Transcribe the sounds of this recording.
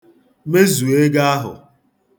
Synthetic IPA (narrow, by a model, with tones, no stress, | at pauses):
me˦zu˨e˦ɡa˦a˦ɦʊ̰˨